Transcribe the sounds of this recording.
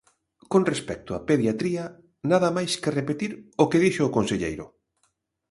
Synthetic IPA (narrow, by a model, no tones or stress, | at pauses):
konrespɛk̚t̪ʊa̰peðjat̪ɾiɐ | naðɐmajskerepet̪iɾokeðiʃoːkonseʎḛjɾʊ